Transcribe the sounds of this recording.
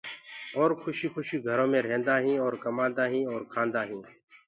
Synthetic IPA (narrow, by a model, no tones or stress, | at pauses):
oːɾkʰʊʃiːxʰʊʃiːɡʱəɾõːmẽːɾẽːnd̪aːɦĩːɔːɾkəmãːnd̪aːɦĩːɔːɾkʰaːnd̪aːɦĩː